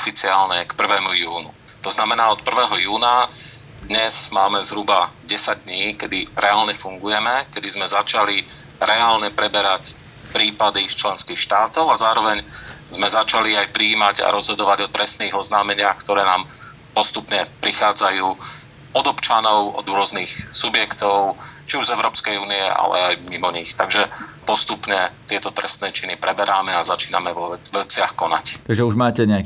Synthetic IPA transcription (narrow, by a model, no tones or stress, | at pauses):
ɔfit͡siaːlɲɛkpr̩ʋɛːmujuːnṵ | t̪ɔznamɛnaːɔt̪̚pr̩ʋɛːɦɔjuːna | d̪ɲɛz̥maːmɛzɦɾubaɟɛsaɟ̚d̪ɲiːkɛd̪iɾɛaːlɲɛfuŋɡujɛmɛkɛd̪izmɛzat͡ʃali | ɾɛaːlɲɛpɾɛbɛɾac | pɾiːpad̪ist͡ʃlɛnskiːxʃt̪aːt̪ɔʊazaːɾɔʋɛɲzmɛzat͡ʃaliajpɾiːmaɟa̰ɾɔzɦɔd̪ɔʋaɟɔt̪ɾɛst̪niːɣɔznaːmɛɲɪaxkt̪ɔɾɛːnaːmpɔst̪upɲɛpɾixaːd͡zajuː | pɔd̪ɔpt͡ʃanɔʊɔ̰d̪ɾʊɔzniːxsubjɛkt̪ɔʊt͡ʃiuʒzɛʊɾɔːpskɛjuːniɛ̰a̰lɛ̰ajmimɔɲixt̪aɡʒɛpɔst̪upɲɛt̪ɪɛt̪ɔt̪ɾɛst̪nɛːt͡ʃinipɾɛbɛɾʔaːmɛazat͡ʃiːnamɛʋɔɛʋɛt͡sɪaxkɔna̰ct̪aɡʒɛuʒmaːtcɛɲɛak